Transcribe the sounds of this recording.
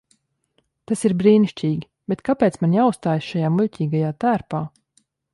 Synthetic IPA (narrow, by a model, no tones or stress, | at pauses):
t̪asiɾbɾiːniʃcʲiːɡʲi | bɛt̪kapɛːt̪smanjaust̪aːjsʃajaːmuʎʲcʲiːɡajaːt̪æːɾpaː